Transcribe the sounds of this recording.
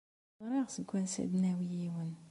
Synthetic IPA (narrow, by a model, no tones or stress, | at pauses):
ɾˤɑʁsəɡʷːænsæ̰d̪næwijiwən